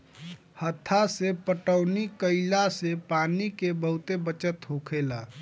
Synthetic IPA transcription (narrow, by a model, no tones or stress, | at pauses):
hət̪ʰːasepəʈəʊnikəɪlasepaːnikebəɦʊt̪ebət͡ʃət̪ɦoːkʰela